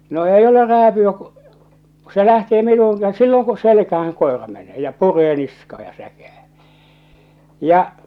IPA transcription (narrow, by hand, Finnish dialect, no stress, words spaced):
no eij ole ræːpyæ ku̥ ku se læhteː minuːŋ kæ silːoŋ ku selkæhæŋ koˑerɑ meneː jɑ pureː niskɑː jɑ sækæː jɑ